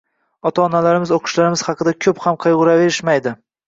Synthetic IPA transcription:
ɒt̪ʰaːnalaɾɪmɪzoqʰʊ̥ʃlaɾɪmɪz̥hɑqʰɨd̪akʲʰɵphamqʰɨjʁʊɾave̞ɾɪʃmajd̪ɪ

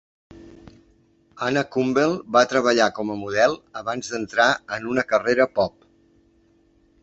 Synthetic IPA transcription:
anəkumbelˠbat̪ɾəβ̞əʎakɔməmuðɛlˠəβanzd̪ənt̪ɾaənunəkəreɾəpɔp̚

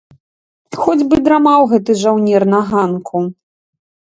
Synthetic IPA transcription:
xɔd͡zʲbɨd̪ɾamawɣɛt̪ɨʐawnʲɛrnɐɣankʰu

